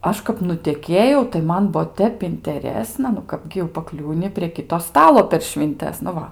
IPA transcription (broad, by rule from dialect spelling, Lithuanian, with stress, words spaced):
ˈɐʃ kɐp nʊtʲɛˈkʲeːjɛʊ tɐɪ ˈmɐn ˈbuɔ ˈtʲɛp ɪnʲtʲɛˈrʲæːsnɐ nʊ ˈkɑːbʲɡʲɪ jɛʊ pɐˈklʲuːnʲɪ pʲrʲiɛ ˈkʲɪtoː ˈstɑːlˠoː pʲɛr ʃʲʋʲɪnʲˈtʲɛs nʊ ˈʋɐ